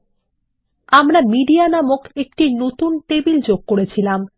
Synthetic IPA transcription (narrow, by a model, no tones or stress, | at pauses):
amɾamiɖianamokek̚ʈinot̪unʈebild͡ʑoɡ̚koɾet͡ɕʰilam